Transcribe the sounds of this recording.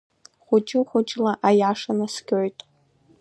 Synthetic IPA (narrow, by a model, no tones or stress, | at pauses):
χʷʊt͡ʃʼɪχʷʊt͡ʃʼlaʔajaʂanasɡʲoɥtʼ